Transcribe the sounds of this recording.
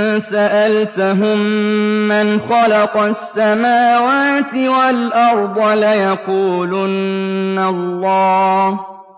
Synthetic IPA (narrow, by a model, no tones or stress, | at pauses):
saʔalt̪aɦʊmːanxɑlɑqɑsːamaːwaːt̪ɪwalʔɑɾˤd̪ˤʊlajaquːlʊnːalːɑː